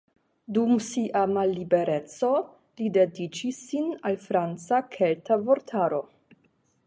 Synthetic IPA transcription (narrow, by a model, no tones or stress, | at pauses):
dumsiʔamalːibe̞ɾe̞t͡so̞ | lidedit͡ʃisːinalfɾant͡sakʰeltavo̞ɾtʰaɾo̞